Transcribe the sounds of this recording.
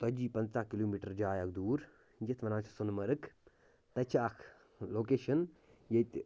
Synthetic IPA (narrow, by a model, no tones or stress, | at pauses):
t̪ɔd͡ʒiːpɐ̃nt͡saːkiloːmiːʈɐɾd͡ʒaːjɐk̚d̪uːɾ | d͡ʒɐt̪ʰʋɐnãːt͡ʃʰsʊnmɐɾɨk | t̪ɐt͡ʃʰaːkʰ | loːkeːʃɐn | jɐt̪